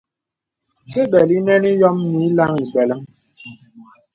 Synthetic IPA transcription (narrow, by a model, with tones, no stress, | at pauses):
ke˦ɓɛ˨li˦nɛ˦ni˦jɔ˦mːi˨˦la˦ŋi˨bɛ˨lə˦ŋ